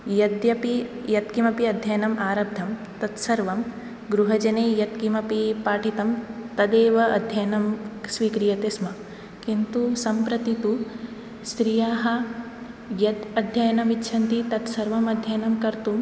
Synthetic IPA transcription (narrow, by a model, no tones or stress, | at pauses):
jɐd̪jɐpijɐt̪kimɐpiɐd̪ʱjɐjɐnɐmʔaːɾɐb̚d̪ʱɐm | t̪ɐt̪sɐɾʋɐm | ɡɾuɦɐd͡ʒɐneːjɐt̪kimɐpipaːʈʰit̪ɐmt̪ɐd̪eːʋɐʔɐd̪ʱjɐjɐnɐmsʋiːkɾijɐt̪esmɐ | kint̪usɐmpɾɐt̪it̪u | st̪ɾijaːɦɐ̆ | jɐt̪ɐd̪ʱjɐjɐnɐʋitːʃʰɐnt̪it̪ɐt̪sɐɾʋɐmɐd̪ʱjɐjɐnɐmkɐɾt̪um